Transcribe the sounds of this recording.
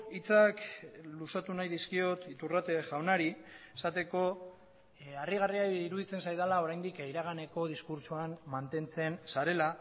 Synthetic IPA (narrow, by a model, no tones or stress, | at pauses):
it͡saklusat̪unajðiskio̞t̪it̪urat̪eʝawnaɾiesat̪e̞ko̞ | ariɣ̞ariaiɾuðit͡se̞nsajðalao̞ɾajnd̪ikiɾaɣ̞ane̞ko̞ð̞iskuɾt͡suanmant̪e̞nt͡se̞nsaɾe̞la